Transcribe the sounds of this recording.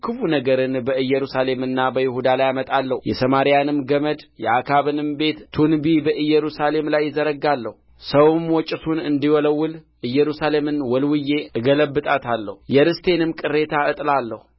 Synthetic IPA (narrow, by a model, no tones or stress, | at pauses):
kʰɨfunəɡəɾɨnbəɨjːɛɾusale̞mɨnːabəjɪhud̪alajamət̪ʼalːəhjɛsəmaɾijanɨmɡəməd̪jɛakʰaβɨnɨmbe̞t̪t̪ʰunbibəʔɨjːɛɾusale̞mlajːɪzəɾəɡalːəh | səwmwɔt͡ʃʼɨt̪ʰunɨnd̪iwɔləwːɨl | ʔɨjːɛɾusale̞mɨnwɔlwɨje̞ɨɡələbːɨt̪ʼat̪ʰalːə̰hujɛɾɨst̪ʰe̞nɨmkʼɨrːe̞t̪ʰaɨt̪ʼlalːəhu